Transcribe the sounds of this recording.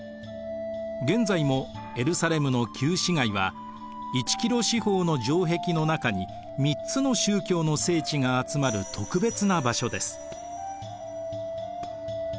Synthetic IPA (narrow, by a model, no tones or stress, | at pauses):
ɡẽ̞nzaimo̞ | e̞ɾɯ̟saɾe̞mɯ̟no̞kʲʰɨːɕiŋaiβa | it͡ɕi̥kʲiɾo̞ɕiho̞ːno̞ʑo̞ːɦe̞kʲino̞nakaɲ̟i | mʲit͡sɨno̞ɕɨːkʲo̞ːno̞se̞ːt͡ɕiŋaːt͡sɨmaɾɯ̟t̪ʰo̞kɯ̟be̞t͡sɨnabaɕo̞d̪e̞sɨ̥